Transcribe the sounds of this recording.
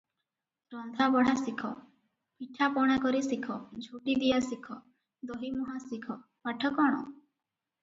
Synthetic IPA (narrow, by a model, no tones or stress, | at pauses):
ɾɔnd̪ʱabɔɽ̤asikʰɔ | piʈʰapɔɽ̃akɔɾisikʰɔd͡ʒʱuʈid̪ijasikʰɔ | d̪ɔɦimɔɦasikʰɔ | paʈʰɔkɔɽ̃ɔ̰